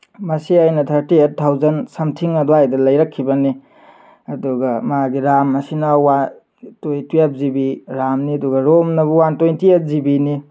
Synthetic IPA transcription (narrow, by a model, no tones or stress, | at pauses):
mɐsiajnɐtʰɐɾtiet̚tʰːawzɐnsɐmtʰiŋɐdoajdɐlɐjɾɐkʰːibɐni | ɐduɡɐmaɡiɾamːɐsinɐwa | tojtijap̚zibiɾamniɐduɡɐɾomnɐbuwantojntʰiet̚zibini